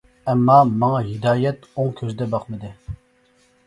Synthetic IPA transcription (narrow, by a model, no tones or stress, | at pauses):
ɛmːɑmɑŋɑɦid̪ɑːjɛt̪oŋkʲʰøzd̪ɛbɑqmɨd̪ɨ